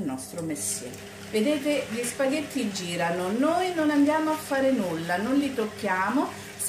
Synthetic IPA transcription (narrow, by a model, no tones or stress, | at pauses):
lnɔst̪ɾʊmesḛ | ved̪eːt̪eʎispaɡet̪ːid͡ʒiːɾanonoːjnonand̪jaːmoafːaːɾenulːanonlit̪okːjaːmo | s